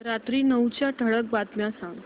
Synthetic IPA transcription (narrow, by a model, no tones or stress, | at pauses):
ɾat̪ɾiːnəwt͡ɕjaʈʰəɽək̚bat̪mjasãŋɡ